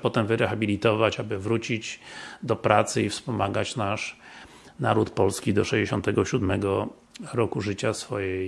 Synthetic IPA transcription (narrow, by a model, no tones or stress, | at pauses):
pɔt̪ɛmvɘɾɛxabʲilʲit̪ɔvat͡ɕabɘvɾut͡ɕid͡ʑd̪ɔpɾat̪sɘifspɔmaɡat͡ɕnaʂ | naɾut̪pɔlskʲid̪ɔʂɛʑd͡ʑeɕɔnt̪ɛɡɔɕud̪mɛɡɔ | ɾɔkuʐɘt͡ɕasfɔjɛ